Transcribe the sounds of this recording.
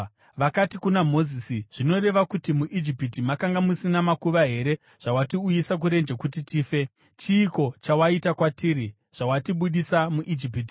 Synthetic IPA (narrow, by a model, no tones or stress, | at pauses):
ʋakatikunamo̞zisiʐ̥ino̞re̞ʋakutimuʔid͡ʒipitimakaŋɡamusinamakuʋaɦe̞ɾe̞ | ʐ̥awatiujisak̬uɾe̞nd͡ʒekutitiːfe̞ | t͡ʃiːko̞t͡ʃawaitakwatiːɾi | ʐ̥awatiɓuɗisamuʔid͡ʒip̬iti